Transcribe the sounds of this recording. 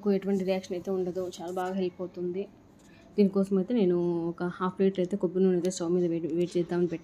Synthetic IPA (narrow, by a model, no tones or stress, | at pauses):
ɐkueʈuʋɐɳʈiɾijaːkʂɐnɐjt̪e̞ːuɳɖɐd̪ut͡ʃaːlaːbaːɡɐɦelipoːt̪und̪i | d̪iːnikɔːsɐmɐjt̪eːne̞ːnuɔkɐhaːpʰːleːʈɐjt̪eːkobːinuːnɐjt̪eːsɐːmiːd̪ɐʋeʋeːʈ̚t͡ʃɛːd̪ːaːmɐnipɛʈːa